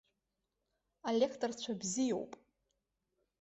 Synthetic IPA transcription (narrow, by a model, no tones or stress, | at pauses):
alʲekʰtʰʼərt͡ɕʷʰabzijo̰wpʼ